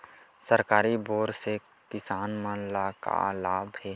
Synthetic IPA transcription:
səɾkaːɾiboːɾse | kɪsaːnməlaka̰laːbhɛː

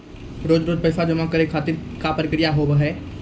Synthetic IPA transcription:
ɾoːd͡ʒɾoːd͡ʒ̪pɐsad͡ʒəmakəɾekʰːaːt̪ɪɾkapɾəkɾijaɦoːbɦɛː

